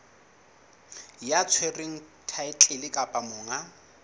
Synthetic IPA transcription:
jat͡sʰwereŋ̩tʰaɪt͡ɬʼɪlɪkʼapʼamʊːŋa

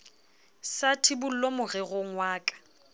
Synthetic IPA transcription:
satʰɪbʊl̩lomʊɣɛɣʊŋwaːkʼḁ

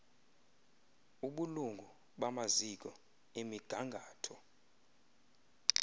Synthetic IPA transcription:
uɓuluŋɡʱu | ɓamazik̬ʼɔ | emiɡ̥ʱaŋɡʱaːtʰɔ

